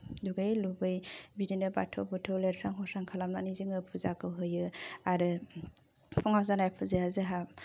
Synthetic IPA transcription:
duɡejlubɯjbidinɯba̰tʰowbutʰɯwleɾsaŋɦɔsaŋkʰalamnanizɯŋɯpʰuzakʰɯɦɯjɯaɾɯ | pʰɔŋawzanajpʰuzeazɯɦap

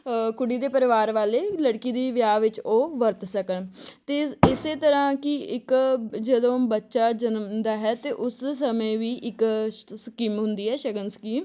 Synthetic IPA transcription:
kʊɽiːd̪eːpəɾɪʋaːɾʋaːleːləɽkiːd̪iːʋjaːʋɪt͡ʃoːʋəɾt̪səkənt̪eːɪseːt̪əɾãːkɪɪkd͡ʒəd̪õːbətːʃaːd͡ʒənmd̪aːɦɛːt̪eːʔʊssəmẽːʋiːʔɪkskiːmɦʊnd̪iːɦɛːʃəɡənskiːm

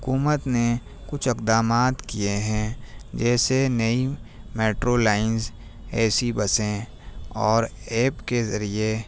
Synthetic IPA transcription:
ɦʊkuːmət̪ne | kʊt͡ʃʰɪkd̪aːmaːt̪kijeɦɛ̃d͡ʒɛːsenɐimeːʈɾolaːɪnz | ɛːsibɐsẽ | ɔːɾ | eːpkezɐɾie

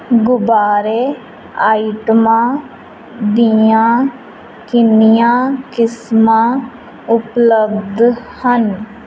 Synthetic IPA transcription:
ɡʊbaːɾe | aːiʈmaː | d̪ijãː | kɪnɪjãːkɪsma | ʊpləbd̪ʱhən

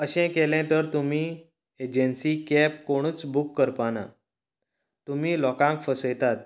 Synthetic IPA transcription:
əɕɛ̃kelɛ̃t̪əɾt̪umi | ed͡ʑənsikɛp̚koɽ̃ut͡sbukːəɾpana̰ | t̪umilɔkãŋkfəsəjt̪at̪̚

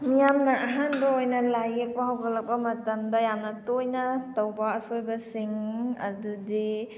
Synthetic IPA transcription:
mijamnaʔɐɦanbɐojnɐlajek̚pɐɦawɡɐlɐk̚pɐmɐtɐmdɐjamnɐtojnɐtɐwbɐːsojbɐsiŋɐ̰dudi

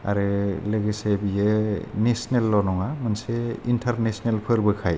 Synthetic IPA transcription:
a̰ɾɯleɡesebijenesnelːɔnɔŋamanseintʰaɾnesnelpʰɯɾbɯkʰaj

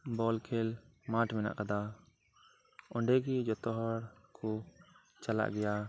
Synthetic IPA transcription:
bɔlkʰɛlmaʈmɛna̰ʔkad̪a | ɔɳɖɛɡid͡ʒɔt̪ɔɦɔɽkʰɔ | t͡ʃala̰ʔɡɛja

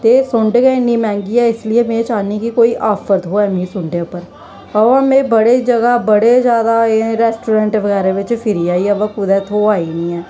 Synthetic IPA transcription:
t̪eːsʊɳɖɡɛːɪnĩːmɛ̃ːŋɡiːɛːɪslɪeːmẽːt͡ʃaːniːkɪkoːiːʔaːpʰəɾt̪ɦoːɛːmĩːsʊɳɖeːʊpəɾ | əʋãːmẽːbəɽeːd͡ʒəɡaːbəɽeːd͡ʒjaːd̪aːeɾɛːsʈuːɾɛ̃ːɳʈʋəɣɛːɾeːʋɪt͡ʃpʰɪɾiːaːiːɛʋãːkʊd̪ɛːt̪ʰoːaːiːnĩːɛː

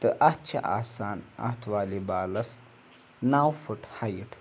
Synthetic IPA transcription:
t̪ɨʔɐt͡ʃʰɐ̰ʔa̰ːsaːnɐ̰t̪ʰʋaːlibaːlɐs | naːwfʰuʈʰhajiʈʰ

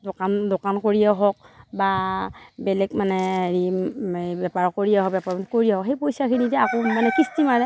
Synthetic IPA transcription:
dokandokankoɹijaɦɔk̚ba | bɛlɛk̚manɛeɹi | bɛpaɹɔkːoɹiaɦɔk̚bɛpaɹmanɛkoɹijaɦɔkɦejpojsakʰinitɛakomanɛkistimaɹɛ

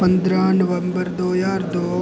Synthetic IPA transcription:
pɐnd̪ɾaːnɐʋɐmbɐɾd̪oːjaːɾd̪oː

